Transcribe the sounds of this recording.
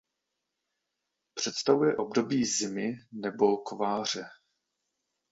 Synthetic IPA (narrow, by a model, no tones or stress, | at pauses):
pr̝̥ɛt̪st̪avujɛʔo̞bdo̞biːzɪmɪnɛbo̞kovaːr̝ɛ